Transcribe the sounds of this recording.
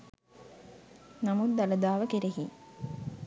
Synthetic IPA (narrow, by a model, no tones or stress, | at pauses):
namut̪d̪ɐlɐd̪aːʋəkeɾeɦi